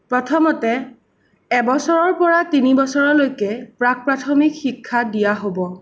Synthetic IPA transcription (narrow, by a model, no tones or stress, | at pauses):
pɹɔtʰɔmɔtɛ | ɛbɔsɔɹɔɹpɔɹatinibɔsɔɹɔlojkɛpɹak̚pɹatʰɔmikxikʰːadijaɦobɔ